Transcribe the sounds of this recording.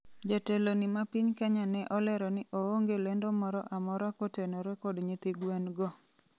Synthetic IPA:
d͡ʒatelonɪmapiɲkaɲanɛʔɔlɛɾɔnɪʔooŋɡelendɔmɔɾɔʔamɔɾɔakotenɔɾɛkɔdɲit̪iɡwanɡɔ

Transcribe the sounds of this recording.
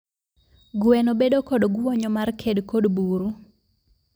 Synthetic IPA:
ɡʊɛnobedokɔdɡʊwɔɲɔmarkʰedkodbuɾu

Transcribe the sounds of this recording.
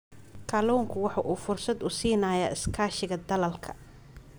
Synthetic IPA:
kʰaːluːŋkʰʊwɑħɑːʔuːfʊrsɐd̪ʊsiːnaːjaːʔɪskʰaːʃɪɣɐd̪ɐlɐlkʰɐ̥

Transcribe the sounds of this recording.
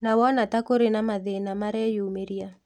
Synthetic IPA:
nawɔnatakoɾenamaðenamaɾɛjumeɾia

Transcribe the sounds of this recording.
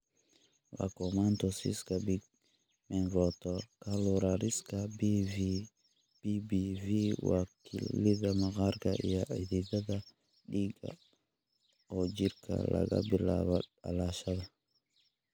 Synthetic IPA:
wa̰komantosḭskabiɡ̚ | menvot̪okaloɾaɾiskabiv | b̥ibiviwakilːidamaɡaɾɡaʔḭjaididada | ɗiɡa̰ | od͡ʒiɾkʰa̰la̰ɡa̰biɾla̰baɗa̰laʃada

